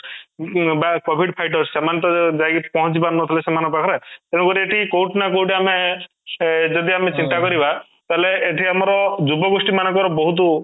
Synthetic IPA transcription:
bakɔbʱiɖpʰajʈ̬ɔɾssemant̪ɔd͡ʒajɡpɔɦɔ̃t͡ʃibanɔt̪ʰalesemanɔpakʰɔɾet̪enukɔɾieʈʰikowʈnakowʈiame | d͡ʒɔd̪iamet͡ʃint̪akɔɾiba | t̪aɦleːʈʰiamɔɾɔd͡ʒubɔɡusʈimanɔ̃ŋkɔɾɔbɔɦut̪̬u

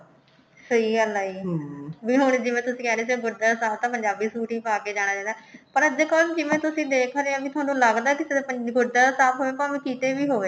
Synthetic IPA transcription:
səiːɡəlaiːʋiːɦʊɳd͡ʒɪʋẽːt̪ʊsĩːkɛːɾeːs̬eɡʊɖaːsaːb̚t̪ãːpəɲd͡ʒaːbiːsuːʈiːpaːkeːd͡ʒaːɽ̃aːd͡ʒãːd̪aːpəɾəd̪eːkɔːld͡ʒɪʋẽːt̪ʊsĩːd̪eːkʰɾeãbiːt̪ʊaːnũːləɡd̪aːkɪseəɡʊɖaːsaːbɦoːʋeːpãmẽːkiːt̪eːʋiːɦoːʋeː

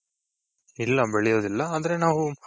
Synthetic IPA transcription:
ilːɐbeɭɛjo̞ːd̪ilːɐːd̪ɐɾe̞naːʋu

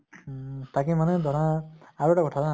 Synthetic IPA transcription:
t̪akimaned̪ɔɽ̃ãaɾuʈakɔʈʰada

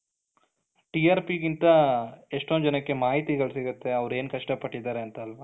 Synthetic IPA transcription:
ʈiaːɾpikint̪ɐeʂʈond͡ʒɐnɐkːe̞maːɦit̪iɡɐɭsiɡut̪ːe̞ɐʋɾe̞ːnkɐʂʈɐpɐʈːid̪aːɾeɐnt̪ɐːlʋɐ

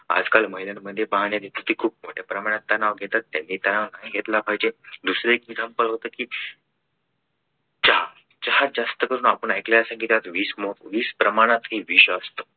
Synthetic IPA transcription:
a̰d͡zkalməɦilanməd̪ʱːjebaɦɳjad̪it̪ət̪iːkʰuːp̚moʈjepɾəmaɽ̃at̪ːanaʋɡʱet̪at̪ːjanːit̪anaʋnajɡʱet̪labʱajd͡ʑed̪usɾeekid͡zʱampəlɦot̪əkiː | t͡ɕaɦa | t͡ɕaɦad͡zast̪əkəɾuːnapəɳajklajasãŋɡit̪at̪ʋiːsmoʋiːspɾəmaɽ̃at̪ɦiʋiɕəst̪ə

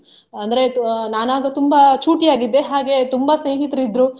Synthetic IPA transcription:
ɐnd̪ɐɾe̞naːnaːɡɐt̪umbɐt͡ʃuːʈijaːɡid̪ːeɦaːɡe̞t̪umbɐsneːɦit̪ɾid̪ɾu

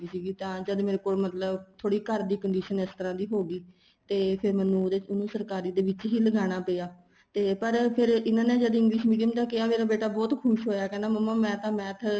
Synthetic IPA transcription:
iːsiːɡiːt̪ãːd͡ʒəd̪meːɾeːkoːlmət̪ləbt̪ʰoːɽiːkəɾd̪iːkəɳɖiːʃənɪst̪əɾãːd̪iːɦoːɡiː | t̪eːpʰɪɾmɛnːũːd̪eːʊnũːsəɾkaːɾiːd̪eːʋɪt͡ʃɦiːləɡaːɽ̃aːpeːaː | t̪eːpəɾpʰɪɾɪnãːneːd͡ʒəd̪ɪ̃ŋɡlɪʃmiːɖijəmt̪ãːkɪaːmeːɾaːbeːʈaːbɔːt̪kʰʊʃɦoːjaːkɛːnaːməmːãːmɛ̃ːt̪ãːmɛ̃ːt̪ʰ

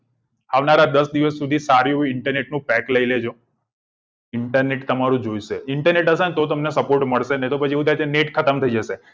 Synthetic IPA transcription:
aʋnaɾad̪əsd̪iʋəsːud̪ʱisaɾjũɪɳʈəɾneʈnũpɛkləiled͡ʒo | ɪɳʈəɾneʈt̪əmaɾũd͡ʒojʃeɪɳʈəɾneʈəsant̪ot̪əmnesəpoɾʈməɭʃenet̪opət͡ʃʰieʋũt̪ʰajt̪ʰeneʈkʰət̪əmt̪ʰəid͡ʒəʃe

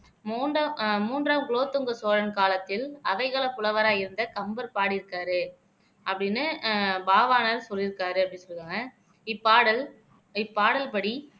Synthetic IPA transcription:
mːnamuːndraːmkɭoːt̪ːɯŋɡɐsoːɾɐnkaːlɐt̪ːɪlɐʋɐɪɣɐɭɐpːʊlɐʋɐɾaːjɪɾɯnd̪ɐkɐmbɐɾpaːɽɪɾɯkːaːɾɯ | ɐpːɐɽɪnːɯbaːʋaːnɐɾsɔlːɪɾɯkːaːɾɯɐpːɐɽɪnsɔlɯkaːŋɡɐ | ɪpːaːɽɐl | ɪpːaːɽɐlpɐɽi

